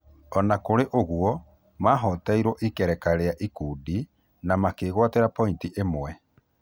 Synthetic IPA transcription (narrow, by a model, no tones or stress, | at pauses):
ɔnakoɾeʔoɣwɔ | maːɦɔtaiɾɔʔikɛɾɛkaɾeaʔikuːdi | namakeːɣwateɾapɔintiʔemwɛ